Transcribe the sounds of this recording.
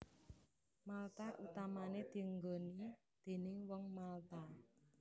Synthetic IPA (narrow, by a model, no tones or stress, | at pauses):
malt̪aʔut̪amaned̪̥i̤əŋɡɔni | d̪̥e̤nɪŋwɔŋmalt̪a